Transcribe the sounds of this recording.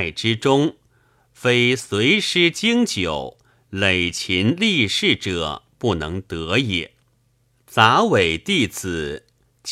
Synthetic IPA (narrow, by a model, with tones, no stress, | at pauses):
ɪʈ͡ʂɻ̩˥ʈ͡ʂʊ˥ŋ | fe˥ɪswe˧˥ɪʂɻ̩˥t͡ɕi˥ŋt͡ɕjo˨˩˦ʊ | le˨˩ɪt͡ɕʰi˧˥nli˥˧ʂɻ̩˥˩ʈ͡ʂɤ˨˩˦pu˥˩nɤ˧˥ŋt̪ɤ˧˥jɛ̰˨˩˦ | t͡sa˧˥we˨˩ɪt̪i˥˩t͡s̩ʰ˨˩˦ | t͡ɕ